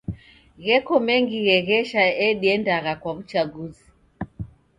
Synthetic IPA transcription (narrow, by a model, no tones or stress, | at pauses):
ɣɛkɔmɛŋɡiɣɛɣɛʃaɛɗiɛndaɣakwaut͡ʃaɡuzi